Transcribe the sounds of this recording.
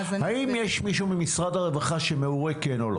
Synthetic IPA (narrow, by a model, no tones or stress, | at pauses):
haimjeʃmiʃumimisʁad̪haʁevaχaʃemeuʁekenolo